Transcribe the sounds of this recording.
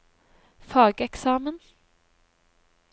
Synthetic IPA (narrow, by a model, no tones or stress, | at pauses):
fɑːɡəɛksɑːmən